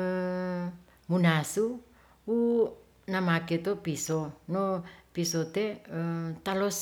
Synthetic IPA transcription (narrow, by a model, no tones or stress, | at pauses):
ə | munasu | u | namaket̪opisonopisot̪eət̪alos